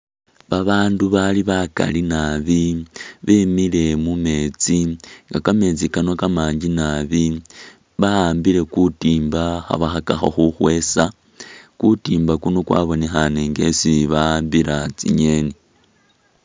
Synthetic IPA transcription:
βaβaːnduβaliβaka̰linaβiβemile̞mume̞ːt͡siŋɡakame̞t͡sikanokamaːɲd͡ʒinaβi | βaaːmbiɾe̞kutiːmbaxa̰βaxakaxo̰xuxwe̞sa | kutiːmbakunokwa̰βo̞nexaneŋɡe̞siβaaːmbiɾat͡sḭɲe̞ni

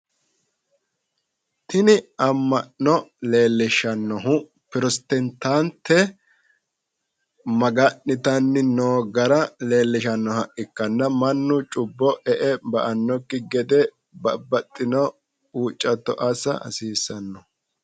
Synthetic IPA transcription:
t̪ʰɪnɪɐmːɐʔːɔle̞ːlːɪʃɐnːɔɦʊ | pɪɾɔst̪ɛnt̪ant̪ʰːɛ | mɐɡɐnːɪt̪ɐnːɪnoːɡɐɾɐle̞ːlːɪʃɐnːɔhɐʔɪkːɐnːɐmɐnːʊt͡ʃʼʊbːɔʔɛʔɛbɐʔɐnːɔkːɪɡɛd̪ɛ | bɐbɐt̪ʼːɪnɔ | uːt͡ʃʼːɐt̪ːɔʔɐsɐ̰ɐ̰siːsːɐnːɔ

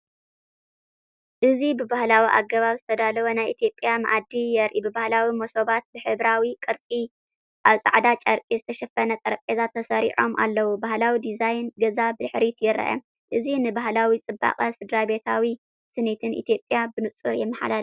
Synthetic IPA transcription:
ʔɨzibɨbahlawiʔa̰ɡːɐβaβzɨt̪ʰɐd̪alɐβonajʔit̪ʰjo̞pʼjama̰ʔad̪ːijɛɾʔibɨbahlawimoso̞βat̪̚bɨħɨβɾawikʼɨɾt͡sʼi | ʔaβsʼa̰ʕd̪at͡ʃʼɐɾkʼizɨt̪ʰɐʃɐfɐnɐt̪ʼɐɾɐpʼezat̪ʰːɐsɐɾḭʕo̞mʔa̰lːɐwubahlawid̪izajnɡɐzabɨd̪ɨħɾit̪jɪɾɐ̰ʔɐ̰ | ʔɨzinɨbaɦlawit͡sʼɨbːa̰qʼɐsɨd̪ɾabe̞t̪ʰawi | sɨnet̪ʰɨnʔḭt̪ʰjo̞pʼjabɨnɨt͡sʼɨɾjɛmːɐħa̰lal

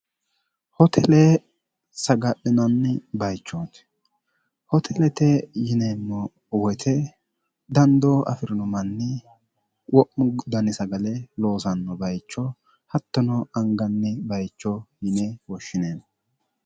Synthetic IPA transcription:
hɔt̪ʰɛlɛ | sɐɡɐpːɪnɐnːbɐjt͡ʃːoːt̪ | hɔt̪ʰɛlɛt̪ɛjɪnemːɔ | wɔt̪ʰɛ | d̪ɐnd̪ɔɐ̰fɪɾɪnʊmɐnːɪ | wɔʔʊɡd̪ɐnɪsɐɡɐlɛlo̞ːsɐnːɔbɐjt͡ʃːɔ | hɐt̪ːɔnɔɐŋɡɐnːɪbɐjt͡ʃːɔjɪnewɔʃːɪneːn

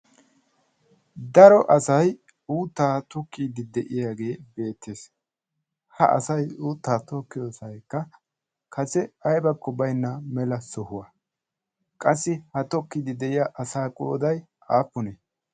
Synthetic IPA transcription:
d̪ɐɾɔʔɐsɐj | uːt̪ːaːt̪ʊkʰːiːd̪ɪd̪ɛʔɪjaːɡe̞ːbe̞ːt̪ʰːe̞ːs | hɐ̰ʔɐ̰sɐjuːt̪ːaːt̪ɔkːɪjoːsɐjkːɐ | kʰɐsɛɐjbɐkːɔbɐjnːɐmɛlɐsɔhʊwɐ | kʼɐsːɪhɐt̪ɔkːɪd̪ɪd̪ɛʔɪjaʔɐsaːkʼo̰ːd̪ɐj | aːpːʊneː

